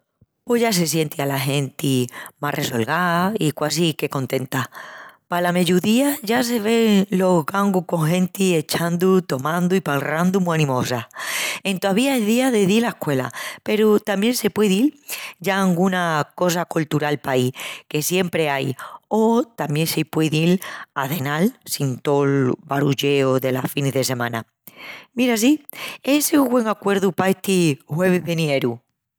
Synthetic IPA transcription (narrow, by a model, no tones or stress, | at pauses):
po̞ʝas̬e̞s̬je̞nt̪ialaɦe̞nt̪imarʔe̞so̞lɣaikwas̬ike̞ko̞nt̪e̞nt̪apalame̞ʝuðiaʝas̬e̞β̞e̞ŋlo̞zɣaŋɡuhko̞ŋɦẽ̞nt̪ie̞t͡ʃand̪ut̪o̞mãnd̪uipalrand̪umuanĩmo̞sae̞nt̪oaβiaeðiaðe̞ðilaehkwe̞la̰pe̞ɾut̪ambje̞nse̞pwe̞ðild͡ʒaːŋɡunako̞s̬akult̪uɾalpaike̞sje̞mpɾe̞ajot̪ambje̞ŋsepweðilaðe̞nalsint̪olβaɾuʝe̞oðe̞lasfinezðe̞se̞mãna | miɾas̬ieseuɡwe̞ŋakwe̞ɾðupaet̪ihwe̞βeðenieɾu